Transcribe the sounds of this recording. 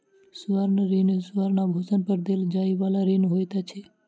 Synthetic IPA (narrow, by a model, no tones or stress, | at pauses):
suʋaɾnəɾinsuʋaɾnabʱosənpəɾd̪eld͡ʒaiʋalaɾinɦojt̪at͡ʃʰe